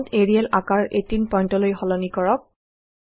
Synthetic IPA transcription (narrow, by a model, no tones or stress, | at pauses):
ntʰeɹiɛlakaɹetinpɔjntɔlojxɔlɔnikɔɹɔk̚